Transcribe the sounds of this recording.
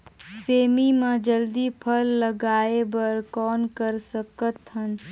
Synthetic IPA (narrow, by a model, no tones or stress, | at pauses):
seːmimãd͡ʒəld̪ipʰəlːəɡaːebəɾkɔːnkəɾsəkət̪ɦən